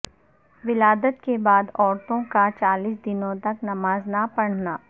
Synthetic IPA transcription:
ʋɪlaːd̪ət̪kebaːd̪ɔːɾt̪õkat͡ʃaːliːs̬d̪ɪnõt̪ɐknɐmaːznɐpɐɽ̤naː

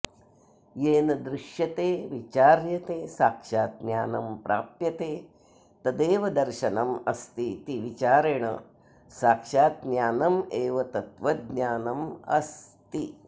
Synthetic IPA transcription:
jeːnɐd̪ɾɪʃjɐt̪eːʋit͡ʃaːɾjɐt̪eːsaːkʂaːt̪̚njaːnɐmpɾa̰ːp̚jɐt̪eː | t̪ɐd̪eːʋɐd̪ɐɾʃɐnɐmɐst̪it̪iʋit͡ʃaːɾeɳɐ̰ | saːkʂaːt̪̚njaːnɐmeːʋɐt̪ɐt̪ʋɐd̪naːnɐmɐ̰st̪i

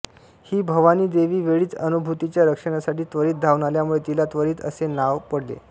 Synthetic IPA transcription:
hiːbʱəʋaniːd̪eʋiːʋeɭiːt͡sənubʱut̪it͡ɕjaɾəkʂəɽ̃asaʈiːt̪ʋəɾiːt̪̚d̪ʱaʋnaljamuɭet̪ilat̪ʋəɾiːt̪ə̰senaʋpəɽlḛ

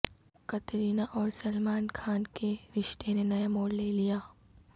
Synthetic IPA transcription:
kɐt̪ɾiːnaʔɔːɾsɐlmaːnkʰaːnkeɾɪʃt̪ʰenenɐjamoːɽleːlijaː

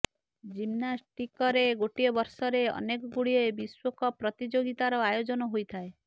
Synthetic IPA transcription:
d͡ʒimnasʈikɔɾeɡoʈiɔbɔɾsɔɾeɔ̰nekɔɡuɽiebiswɔkɔpɾɔt̪id͡ʒoɡit̪aɾɔajod͡ʒɔnɔɦojt̪ʰae

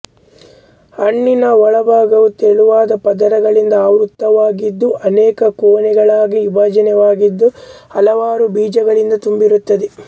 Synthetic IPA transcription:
ɐɳːinɐɔɭɐbaːɡɐʋut̪eɭuʋaːd̪ɐpɐd̪ɐɾɐɡɐɭind̪ɐaːut̪ːɐʋaːɡid̪ːuʔɐnɛːkɐkoːnɛɡɐɭaːɡiubaːd͡ʒɐnɛʋaːɡid̪ːuɐlɐʋaːɾubiːd͡ʒɐɡɐɭind̪ɐt̪umbiɾut̪ːɐd̪ɛ

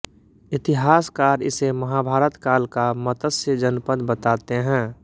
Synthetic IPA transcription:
ɪt̪ɪɦaːskaːɾɪ̰seməɦabʱaːɾət̪kaːlkamət̪əsəd͡ʒənpəd̪bət̪aːt̪eɦɛ̃ː

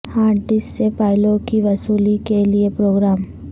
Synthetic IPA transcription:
aːʈɖɪsːepaːɪlõkiʋɐsuːlikeliepɾoːɡɾaːm

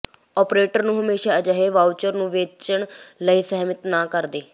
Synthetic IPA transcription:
ɔːpɾeːʈəɾnũːɦəmeːʃaːəd͡ʒəɦeːʋaːwt͡ʃəɾnũːʋeːt͡ʃəɳləiːsɛːmɪt̪naːkəɾd̪eː

